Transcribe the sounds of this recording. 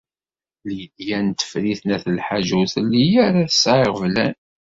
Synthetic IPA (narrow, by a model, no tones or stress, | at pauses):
ljəd̪jænt̪ə̥fɾiθnæθəlħaʒuθlːijæɾaθə̥sʕeʁvlæn